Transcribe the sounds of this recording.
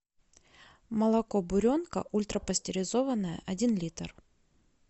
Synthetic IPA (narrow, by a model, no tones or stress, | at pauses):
məlˠɐkobʊɾʲo̞nkə̰ʔulʲt̪ɾəpəsʲtʲɪɾʲɪzo̞vənːəjə̰ʔɐdʲinlʲit̪ər